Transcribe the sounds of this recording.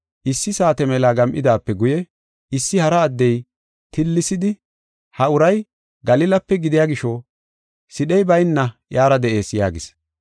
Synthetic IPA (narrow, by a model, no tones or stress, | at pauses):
ʔɪsːɪsaːt̪ɛmɛlaːɡɐmʔɪd̪aːpːɛɡʊjɛ | ɪsːɪhɐɾɐːd̪ːɛj | t̪ɪlːɪsɪd̪ɪ | hɐʊɾɐj | ɡɐlɪlɐpːɛɡɪd̪ɪjaːɡɪʃɔ | sɪɗɛjbɐjnːɐjaːɾɐd̪ɛʔe̞ːsja̰ːɡɪs